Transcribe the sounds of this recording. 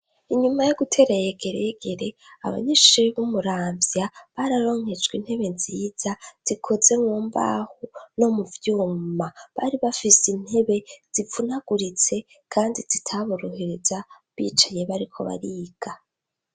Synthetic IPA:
iɲumajoɡutʰe̞ːɾajeɡe̞ɾeeɡe̞ɾe̞a̰βa̰ɲiʃiβumuɾaːmvjaβaɾaɾo̞ːŋ̥he̞d͡ʒɡwin̥he̞βe̞nziːz̥az̥ikʰo̞ze̞ŋoːmba̰huno̞muvjuːmaβaɾiβafisin̥he̞βe̞z̥ivunaɡ̥uɾit͡se̞ | kʰaːndizitʰaβuɾoheɾeza | βḭːt͡ʃaje̞βaɾikʰo̞̰βa̰ɾiːɡ̥a

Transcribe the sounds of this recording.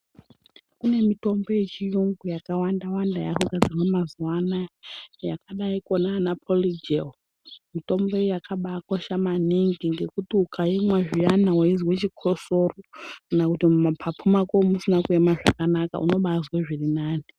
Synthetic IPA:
kune̞mitʼombojet͡ʃijuŋɡujakawandawandaja̰kuɡʱad͡zirwamazuwanaja̰kaɗaikʼonaːnapʰolid͡ʒel | mitombojakʰaɓakoʃamaniŋɡiŋɡe̞kutiukʰaimwaʐianawaiziwet͡ʃikʰosorokanakutimumapʰapfʰumakomusinakuemaʐa̰kanaka̰ṵno̞ɓazweʐirinaːni

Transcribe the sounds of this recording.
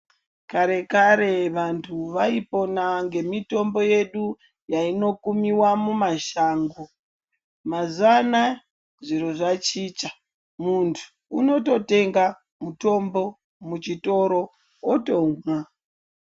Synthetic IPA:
kaɾe̞kaɾe̞ʋantʰuʋaipo̞naŋɡe̞mito̞mbo̞je̞ɗu | jaino̞kumiwamumaʃaːŋɡo | mazana | ʐiɾoʐat͡ʃiːt͡ʃa | muntʰu̥ːno̞to̞te̞ŋɡa | muto̞mbo̞ | mut͡ʃito̞ɾo̞ | oto̞mwa

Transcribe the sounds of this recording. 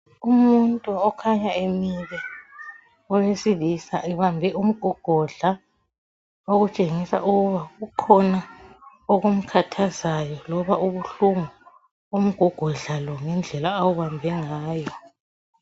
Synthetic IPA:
umuntʼuɔkʰaɲaemiβɛ | ɔwesilisaʔɛβambʱɛʔum̩ɡ̥ʱɔɡ̥ʱɔɮa | oɣut͡ʃʼeŋisa̰ʔuɣuβaɣukʰɔna | ɔɣom̩kʰatʰazajɔlɔβaʔuβuɬuŋu | om̩ɡ̥ʱɔɡ̥ʱɔɮalɔŋɛnd͡ɮʱɛlaːwuβambʱɛŋaːjɔ

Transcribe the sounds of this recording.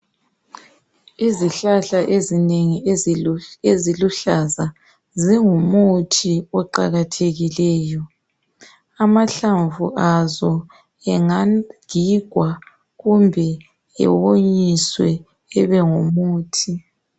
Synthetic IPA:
iziɬaɬaʔezineŋi | eziluɬaza | ziŋumutʰiɔǃa̰ɣatʰeɣilɛːjɔ | amaɬaɱvuʔazɔ | ɛŋaɡiɡ̥ʱwa | ɣumbʱɛ | ɛ̰woɲiswɛ | ɛβɛŋumuːtʰi

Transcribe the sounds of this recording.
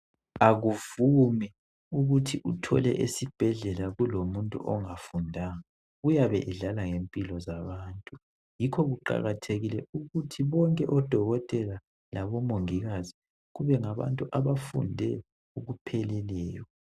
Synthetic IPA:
aɣuvumɛ | uɣutʰiʔutʰɔ̰lɛ̰ʔesib̥ʱɛɮɛlaɣulomuntʼṵʔɔŋafundʱaŋa | ujaβɛʔɛɮalaŋempʼilɔzaβaːntʼu | jikʰɔɣuǃa̰ɣatʰeɣilɛuɣutʰiβɔŋkʼɛʔɔd̥ʱɔɣɔtʼɛla | laβɔmoŋiɣazi | ɣuβɛŋaβa̰ntʼuʔaβafṵndʱɛ | uɣupʰɛlɛlɛːjɔ

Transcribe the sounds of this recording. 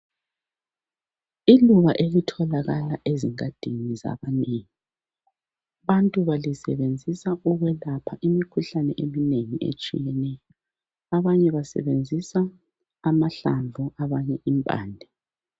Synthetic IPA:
iluβaʔelitʰɔlaɣalaʔeziŋad̥ʱiniza̰βaneːŋi | βantʼuβalisɛβend͡zʱisaʔuɣwɛlapʰaʔimikʰuɬanɛʔemineŋiʔḛt͡ʃʼḭjɛnɛjɔɔ | aβaɲɛβasɛ̰βend͡zʱisaː | maɬaɱvʱuʔaβaɲɛʔimpʼa̰ːndʱɛ

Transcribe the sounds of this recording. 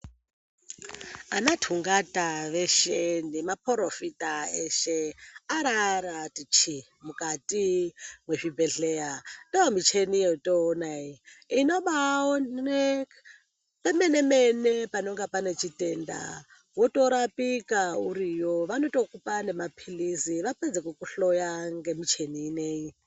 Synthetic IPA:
anatʰuŋɡataʋeʃenemapoɾofitaeʃeaɾaɾatit͡ʃi | mukatʼimweʐibʱe̞ɬejandaomit͡ʃenijeutʼoːnaiino̞ɓaone | pemene̞menepano̞ŋɡapane̞t͡ʃitʼenda̰ | wotʼo̞ɾapikauɾijoʋano̞to̞kupane̞mapʰilisiʋaped͡zekwukuɬojaŋɡe̞mit͡ʃe̞niːneji

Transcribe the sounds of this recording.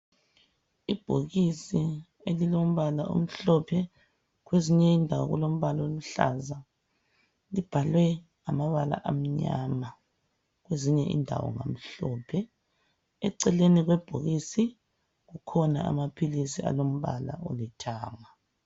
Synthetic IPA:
ib̥ʱoɣisi | elilom̩βalaʔo̰m̩ɬɔpʰɛ | ɣweziɲɛindʱawɔ̰ɣulom̩βaloluɬa̰za | lib̥ʱalwɛ | amaβala̰ʔam̩ɲa̰ma | ɣweziɲɛʔḭndʱa̰wɔ̰ŋa̰m̩ɬɔːpʰɛ | ɛǀɛleniɣwɛb̥ʱoɣisi | ɣukʰɔna̰a̰mapʰilisia̰lom̩βa̰la̰ʔo̰lɛtʰaːma

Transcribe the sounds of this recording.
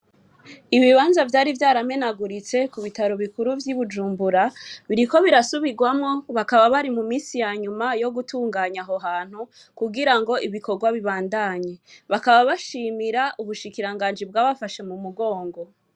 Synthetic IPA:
iβiβaːnzavjaːɾivjaːɾame̞naɡuɾit͡se̞kuβitaɾoβikuɾuvjiβud͡ʒuːmbuɾaβiɾiko̞βiɾasuβiɡwamŋo̞βakaβaβaɾimumiːsijaɲumajo̞ɡutʰuːŋɡaːɲaɦoɦaːn̥hu | kuɡiɾaŋɡo̞ʔiβiko̞ɡwaβiβaːndaɲe̞βakaβaβaʃiːmiɾaʔuβuʃikiɾaŋɡaːnd͡ʒibɡaːβafaʃe̞mumuɡo̞ːŋɡo̞

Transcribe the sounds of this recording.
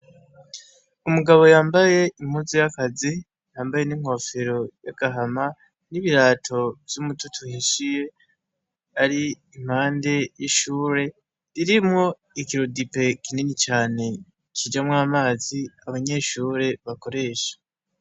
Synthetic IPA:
umuɡaβo̞jaːmbaje̞im̥huzijakazi | jaːmbaje̞niŋ̥ho̞feɾo̞jaɡ̥aɦama | niβiɾaːtʰo̞vjumututʰuhiʃije̞ | aɾiː | m̥haːnde̞jiʃuːɾe̞ | ɾiɾimŋo̞ | ikiɾodipe̞kinenit͡ʃaːne̞ | kid͡ʒamŋaːmaːziaβaɲe̞ːʃuːɾe̞βako̞ɾe̞ːʃḁ

